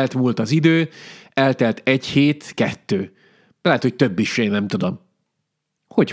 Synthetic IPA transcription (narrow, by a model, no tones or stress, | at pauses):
lt̪muːlt̪ɒzid̪øːɛlt̪ɛlt̪ɛɟheːt̪kɛt̪ːøː | lɛɦɛt̪hoc̚t̪øbːiʃeːnːɛmt̪ud̪o̞m | ho̞c